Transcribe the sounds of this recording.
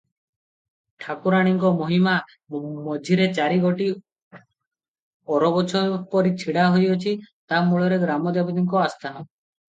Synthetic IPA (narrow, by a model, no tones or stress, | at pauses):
ʈʰakuɾaɽ̃iŋkɔmɔɦima | mɔd͡ʒʱiɾet͡ʃaɾiɡoʈi | ɔɾɔbɔt͡ʃʰɔɾpɔɾit͡ʃʰiɽaɦojɔt͡ʃʰit̪amuɭɔɾeɡɾamɔd̪abid̪iŋkɔast̪ʰanɔ